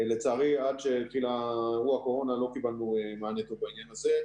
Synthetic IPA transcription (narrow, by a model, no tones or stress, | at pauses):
le̞t͡saːʁiadʃe̞t̪χilaʁuako̞ʁo̞nalo̞kibalnuemaːnet̪obainjanaze̞